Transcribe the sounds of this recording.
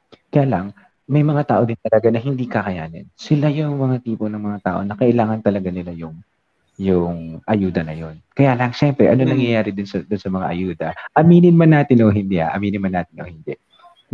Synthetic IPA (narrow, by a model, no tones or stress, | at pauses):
kɐjaːlɐŋ | mɐjmɐŋat̪aːʔo̞d̪ɪnt̪ɐlɐɡanɐɦɪnd̪ikɐkɐja̰ːnɐ̰nsɪlajʊŋmɐŋat̪iːponɐŋmɐŋat̪aːʔo̞̰nɐkɐʔɪlaːŋɐnt̪ɐlɐɡanɪlajʊŋ | jʊŋʔɐjuːd̪ɐnɐjo̞nkɐjaːlɐɐŋʃɛmpɾɛʔɐnonɐŋjɐjaːɾɪd̪ʊnsɐd̪ʊnsɐmɐŋa̰ʔɐjuːd̪ɐʔɐmiːnɪnmɐnːaːt̪ɪnoɦɪnd̪ɛha̰ʔɐ̰miːnɪnmɐnːaːt̪ɪnʔohɪnd̪ɛʔ